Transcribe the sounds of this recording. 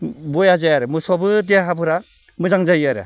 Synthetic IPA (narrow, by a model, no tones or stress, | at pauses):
bojazajaɾɯmɯsɔbɯdeaɦabɯɾa | mɯzaŋzajaɾɯ̰